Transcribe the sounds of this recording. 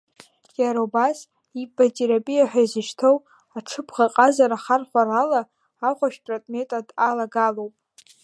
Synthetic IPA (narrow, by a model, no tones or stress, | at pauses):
jaɾaubas | ibatʼeɾapʼijaħʷᶣaizɨʃtʰow | aʈ͡ʂʰɨpʰʁaqʼazaɾaχarχʷaralaː | χʷaʃᶣpʼrotʼme̞tʼadalaɡalowpʼ